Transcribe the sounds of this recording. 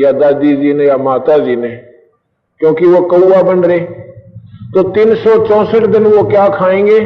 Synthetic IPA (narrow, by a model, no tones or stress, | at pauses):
jaːd̪aːd̪iːziːnejaːmaːt̪aːziːneː | kjõːkɪʋoːkəuːaːbəɳɾeː | t̪oːt̪ɪnsɔːt͡ʃɔ̃ːsəʈd̪ɪnʋoːkjaːkʰaːẽːɡeː